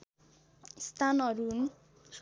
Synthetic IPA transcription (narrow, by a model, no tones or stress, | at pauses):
st̪ʰanʌɾun | s